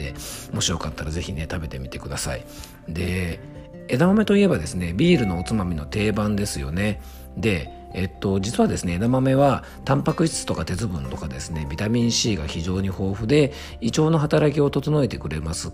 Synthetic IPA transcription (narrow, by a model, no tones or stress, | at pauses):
ḛmo̞ɕio̞kat̪ːaɾaze̞çine̞t̪abe̞t̪e̞mʲit̪e̞kɯ̟d̪asa̰ḭ | d̪e̞ | ed̪amame̞t̪o̞ie̞bad̪e̞sɨne̞bʲiːɾɯ̟no̞ːt͡sɨmamʲino̞t̪e̞ːbãnd̪e̞sɨjo̞̰ne̞ | d̪e̞ː | t̪ːo̞d͡ʑit͡sɨβad̪e̞sɨne̞ːd̪amame̞βa | t̪ãmpakɯ̟ɕi̥t͡sɨ̥t̪okat̪e̞t͡sɨbɯ̟̃nt̪o̞kad̪e̞sɨne̞bʲit̪amʲĩɰ̃ɕiːɡaçiʑo̞ːɲ̟iho̞ːɸɯ̟d̪e̞ | it͡ɕo̞ːno̞ɦat̪aɾak̬ʲio̞t̪o̞t̪ono̞e̞t̪e̞kɯ̟ɾe̞masɨ